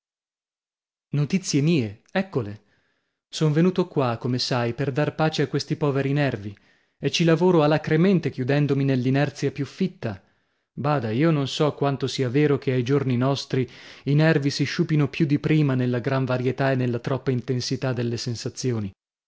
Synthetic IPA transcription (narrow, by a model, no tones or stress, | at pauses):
not̪it̪sːjemiːeɛkːole | soɱvenuːt̪okwakːomesajperd̪arpaːt͡ʃeakːwest̪ipɔːveɾinɛrvi | et͡ʃːilavoːɾoalːakɾemɛnt̪ekjud̪ɛnd̪ominelːinɛrt̪sjapjufːit̪ːa | baːd̪aiːononsɔkːwant̪osiːaveːɾok̟ʰeajd͡ʒorninɔst̪ɾiinɛrvisiʃuːpinopjud̪ːipɾiːmanelːaɡɾaɱvaɾjet̪aenːelːat̪ɾɔpːaint̪ensit̪ad̪ːelːesensat̪sːjoːni